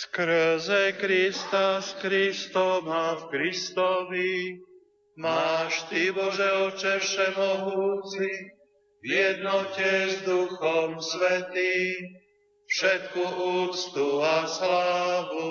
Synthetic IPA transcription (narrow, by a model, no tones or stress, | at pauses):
skɾzɛkɾist̪askɾist̪ɔmafkɾist̪ɔʋi | maːʃt̪ibɔʒɛɔt͡ʃɛfʃɛmɔɦuːt͡si | vjɛd̪nɔcɛzd̪uxɔmsʋɛt̪iːm | fʃɛt̪̚kuuːt͡st̪uaslaːʋu